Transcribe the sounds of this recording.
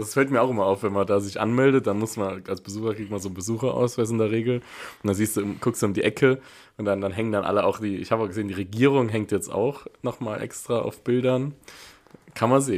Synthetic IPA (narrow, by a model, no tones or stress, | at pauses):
d̥asfɛltmiːɐaʊxʔɪmɐaʊfv̥ɛnmandaːzɪçʔa̰nmɛldət̚d̥anmʊsmanʔalsb̥əzuːxɐɡik̚tmanzoːbəzuːxɐʔa̰ʊsv̥asɪndeːɐʁ̞eːɡl̩ʊn̩d̥anziːstd̥uːʊmɡʰʊkstd̥uːʊmdiːʔɛkʰə | ʔʊntd̥andanɦɛŋəndanʔa̰ləʔaʊxd̥iːɪ̰çhaːbəaɡəzeːndiːʁeɡiːʁʊŋɦɛŋtjɛt͡sta̰ʊxnɔχmaːlʔɛ̰kstʁ̥aːʔa̰ʊfb̥ɪldɐn | kʰanmanzeː